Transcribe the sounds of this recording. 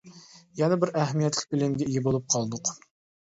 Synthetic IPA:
jɛnɛbɪɾæɦmijɛt̪lʲɪ̥k̚ʲbɪlɪmɡʲɛijɪbolˠup̚qʰɑlˠd̪ʊq

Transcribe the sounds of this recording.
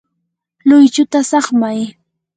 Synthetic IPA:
lʊjt͡ʃʊt̪asɑχmaj

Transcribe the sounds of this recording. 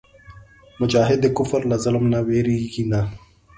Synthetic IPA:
mʊd͡ʒaːɦɪd̪ekʊfəɾlazɐlɐmnaweːɾiɡina

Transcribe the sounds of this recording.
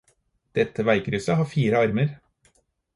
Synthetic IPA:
d̪̥ɛt̪ʰːəʋæɪkɾʉːsəhɑːfiːɾəɑɾməɾ

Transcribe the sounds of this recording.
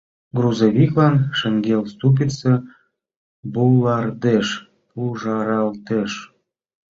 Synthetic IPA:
ɡruzoβʲiklɑnʃə̆ŋɡʲelst̪up̬it̪se | bulːɑrd̪eʃ | pulʒɑɾɑlt̪eʃ

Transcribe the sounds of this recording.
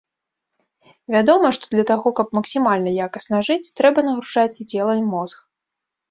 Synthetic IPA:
vʲad̪ɔmɐʂt̪ɔd̪lʲɐt̪aɣɔkɐpmɐksʲimalʲnɐjakɐsnɐʐɨt͡sʲt̪ɾɛbɐnɐɣɾuʐat͡sʲit͡sʲɛlˠɐimɔzx

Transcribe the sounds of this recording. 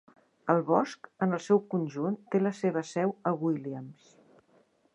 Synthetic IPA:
əlˠβɔskənəlˠsɛwkunʲʒunt̪eləseβ̞əsɛwəɣwiliəms

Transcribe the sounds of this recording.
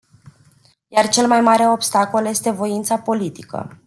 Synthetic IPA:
jart͡ʃe̞lmajmaɾe̞o̞pst̪ako̞lje̞st̪e̞vo̞int̪sapo̞lit̪i̥kə̰

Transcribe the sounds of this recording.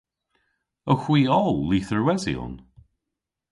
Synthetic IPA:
əxw̥iːɔlˠːiːθəɹwɛzḭɔ̰n

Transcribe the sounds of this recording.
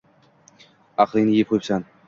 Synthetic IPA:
ɑqʰlˠɪŋnɪjip̚qʰojpsan

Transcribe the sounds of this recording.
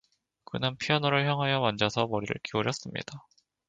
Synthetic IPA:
kɯnɯnpʰiʌnoɾɯɭçjʌŋɦwajʌmʌnd͡ʑasʰʌmʌɾiɾɯ̰ɭkioɾjʌs͈ɯmɲḭd̥a

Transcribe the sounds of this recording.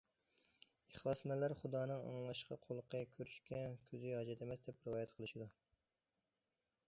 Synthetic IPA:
eχlˠɑsmɛlːæɾχud̪ɑːnɨŋɑ̰ŋlˠɑʃqɑ̰qʰolˠqʰəkʲʰøɾyʃkʲɛkʲʰøzɪhɑd͡ʒɛt̪ʰemɛsd̪ɛpɾɪvɑːjɛt̪qʰəlˠɨʃid̪u

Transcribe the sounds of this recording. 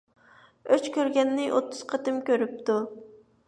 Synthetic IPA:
øt͡ʃkʲøɾɡʲɛnːɪʔot̪ːʊz̥qʰɑt̪ɨmkʲøɾyp̚t̪u

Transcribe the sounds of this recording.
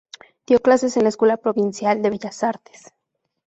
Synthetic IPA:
d̪̥jo̞klase̞se̞nlaeskwe̞lapɾo̞βinsjald̪e̞βeʝasaɾt̪e̥s

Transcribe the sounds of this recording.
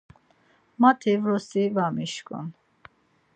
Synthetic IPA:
mat̪ʰivɾɔsivamiʃkʼɔ̰n

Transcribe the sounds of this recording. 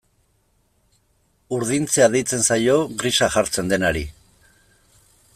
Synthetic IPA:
uɾð̞int͡seaðejt͡se̞nsajo̞ɣɾisaxaɾt͡se̞nd̪e̞naɾi

